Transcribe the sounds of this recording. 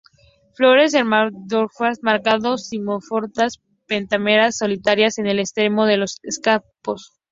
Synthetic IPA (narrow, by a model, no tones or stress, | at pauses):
flo̞ɾe̞seɾmad̪oɾfasmaɾkaðosimofoɾt̪as | pe̞nt̪ame̞ɾasːo̞lit̪aɾjase̞ne̞lest̪ɾe̞mo̞ð̞e̞lo̞seskapos